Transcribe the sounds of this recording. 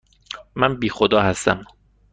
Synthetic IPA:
mːænbiːxod̪ɒːhæst̪æ̰m

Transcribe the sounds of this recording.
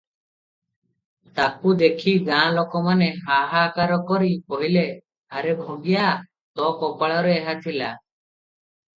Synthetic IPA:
t̪apud̪ekʰiɡãːlɔkɔmaneɦaɦakaɾɔkɔɾipɔɦile | aɾebʱoɡijaʔ | t̪ɔkɔpaɭɔɾeɛɦat̪ʰila

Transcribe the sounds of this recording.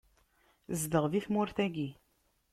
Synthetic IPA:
zðəʁðiθmʊɾθæɡi

